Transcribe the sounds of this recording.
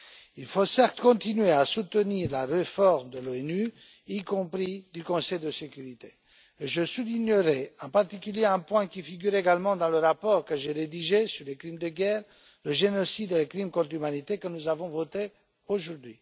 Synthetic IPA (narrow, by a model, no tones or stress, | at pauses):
ilfosɛʁt̪kɔ̃t̪inɥeasut̪əniʁlaʁefɔʁmd̪əloɛny | ikɔ̃pχid̪ykɔ̃sɛjd̪əsekʲyʁit̪e | ʒəsuliɲəʁɛɑ̃paʁt̪ikʲyljeɛ̃pwɛ̃kʲifiɡʲyʁeɡalmɑ̃d̪ɑ̃ləʁapɔʁkəʒeʁed̪iʒesyʁlekχimd̪əɡɛːʁ | ləʒenɔsid̪elekχimkɔ̃t̪χymanit̪ekənuzavɔ̃vot̪e | oʒuʁd̪ɥi